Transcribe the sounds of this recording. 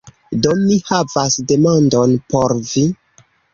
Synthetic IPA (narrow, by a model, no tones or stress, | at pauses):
domihavasde̞mandonpoɾvi